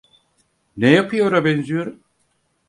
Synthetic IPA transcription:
nejapʰɯjo̞ɾabɛnzyjo̞ɾum

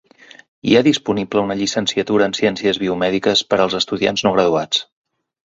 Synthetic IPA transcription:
ḭaðispunibləunəʎisənsiət̪uɾəːnsiɛnsiəzβiumɛðikəspəɾəlˠzəst̪uðia̰nznoɣ̞ɾəðuat͡s

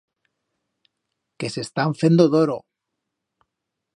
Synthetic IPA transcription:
ke̞se̞st̪aɱfend̪oðoɾo

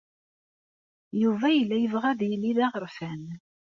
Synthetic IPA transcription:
juvæjəlːæjəvʁæðjəlːiðæʁəɾfæn

